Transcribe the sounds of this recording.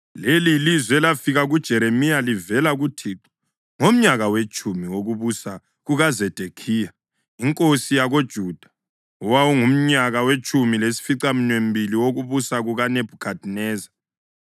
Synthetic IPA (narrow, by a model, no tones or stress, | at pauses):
lelilizwɛlafiɣaɣud̥ʒ̥ʱɛɾemijalivɛlaɣutʰiːǁḁ | ŋom̩ɲaɣawet͡ʃʼumiwoɣuβusa | ɣuɣazɛd̥ʱekʰiːja | iŋkʼosijaɣod̥ʒ̥ʱud̥ʱḁ | uwawuŋum̩ɲaɣawet͡ʃʼumilesi̥fiǀam̩ɲwembʱiliwoɣuβusaɣuɣaneb̥ʱukʰadʱnɛːza